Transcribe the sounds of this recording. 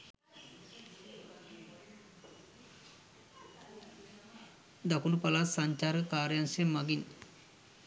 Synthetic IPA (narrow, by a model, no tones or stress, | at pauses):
d̪akunupɐlasaɲt͡ʃaːɾɡəkaːɾjaŋsemaɡin